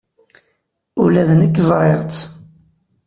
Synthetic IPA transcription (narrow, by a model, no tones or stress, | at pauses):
ulæðənəkːzˤɾˤeʁt͡s̪